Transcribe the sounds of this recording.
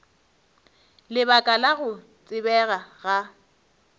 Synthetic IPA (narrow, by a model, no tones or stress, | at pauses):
lɪbakʼalaɣʊ | t͡sʼɪbɛɣaɣa